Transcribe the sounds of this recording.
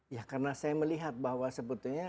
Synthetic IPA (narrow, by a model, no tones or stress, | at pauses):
jakarnasajaməliɦat̪̚bahwasəput̪uɲa